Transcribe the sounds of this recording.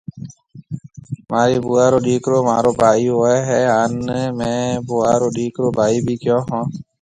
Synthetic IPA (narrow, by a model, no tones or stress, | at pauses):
maːɾiːbuːaːɾoːɗiːkɾoːmaːɾoːbʱaːiːoɛɦɛaːnmɛ̃ːbuaɾoːɗiːkɾoːbaːiːbiːkɪjɔːɦɔ̃ː